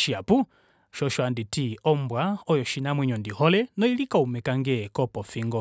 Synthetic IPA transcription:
ʃiapu | ʃɔʃwanditiɔmbwaɔjɔʃinamwɛɲɔndihɔlɛnɔilikaumɛkaŋɡɛkɔpɔfiŋɡɔ

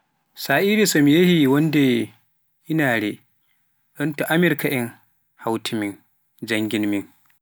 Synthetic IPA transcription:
saːʔiːɾisɐmjehiwɐnde | ʔɪnaːɽe | ɗɔntaʔamɪɾkaʔɛŋ | hawtʰimɪŋ | d͡ʒɐŋɡʲɪnmɪŋ

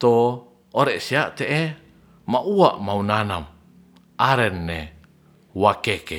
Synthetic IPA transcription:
t̪oː | ɾɛʔsiaʔt̪eʔe | maʔuaʔmaunanam | ʔaɾɛnːe | wakeke

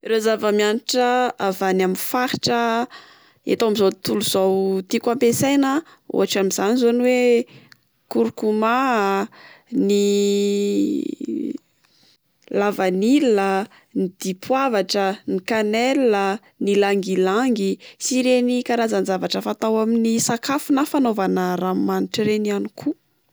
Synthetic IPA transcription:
rezavəmianiʈ͡ʂəavanaminfaɾi̥ʈ͡ʂə | ḛt̪awamizot̪uluzawt̪ikampesajnə | o̰ɦaʈ͡ʂamiz̥anizoniwe | kuɾukuma | ni | lavanilə | nid̪̥ipʰwavaʈ͡ʂənikanelə | nilaŋɡilaŋɡisiɾenikaɾazanzavaʈ͡ʂəfat̪awaminisakafunafanovanəɾamaniʈ͡ʂiɾenianikʰu

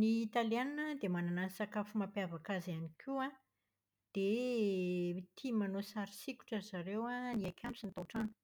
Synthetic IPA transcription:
niːt̪aliannəd̪emananansakafumapeavakazianikʲʰia | d̪̥e | t̪ʰimanosaɾisikʲu̥ʈ͡ʂəzaɾewaniakʲʰamisint̪aʈ͡ʂanu̥

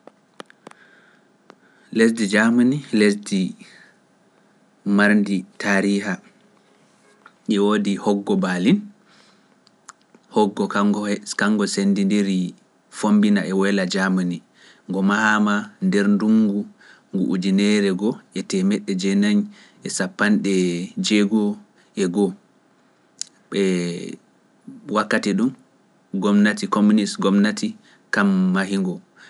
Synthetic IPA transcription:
lesdid͡ʒamanilesdi | maɾnditaːɾiɦa | ʔɛwoːdihɔɡːɔbalin | hɔɡːɔkaŋːɡɔsendindiɾi | fombinaʔɛwɛlad͡ʒamani | ŋɡɔmahamandɛɾnduŋɡu | ŋɡṵʔːd͡ʒinɛɾɛɡɔɛtɛmɛɗːɛd͡ʒɛnaɲ | ɛsapːanɗɛd͡ʒeɡɔ | ʔɛɡɔ | ɓɛ | wakːatiɗum | ɡɔmnatikomunisɡɔmnati | kamːaɦiŋɡɔ

